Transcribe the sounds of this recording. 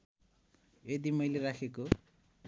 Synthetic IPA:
ed̪imʌjleɾakʰeko

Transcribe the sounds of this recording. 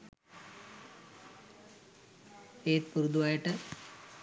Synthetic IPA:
eːt̪̚puɾud̪uʋaːjiʈːɨ

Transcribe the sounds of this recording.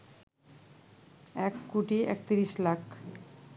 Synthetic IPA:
ɛkːuʈiɛ̰k̚t̪iɾislakʰ

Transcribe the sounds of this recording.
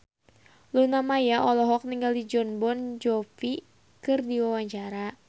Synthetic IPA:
lunamajaʔɔlɔɦɔk̚niŋɡaldid͡ʒɔnbɔnd͡ʒɔfi | kɨrdiwawaɲt͡ʃaɾa

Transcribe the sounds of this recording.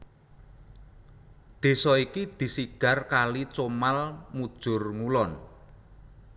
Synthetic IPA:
d̪̥e̤sɔikid̪̥i̤siɡ̥a̤rkalit͡ʃomalmud̥ʒ̥ʊ̤rŋulɔn

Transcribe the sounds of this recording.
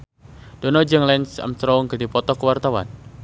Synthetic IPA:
d̥ɔnɔd͡ʒəŋlɛnsa̰mst̪ɾɔŋɡədipɔt̪ɔkəwart̪awa̰n

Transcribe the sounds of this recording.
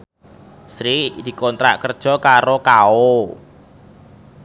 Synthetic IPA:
sɾid̪̥i̤kont̪ɾa̰ʔkərd̥ʒ̥ɔ̤kaɾokao

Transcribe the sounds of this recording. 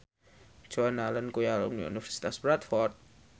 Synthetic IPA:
d͡ʒ̥ɔanalənkujalṵmnḭṵnifəɾsi̥t̪asbɾat̪fɔrt̪̚

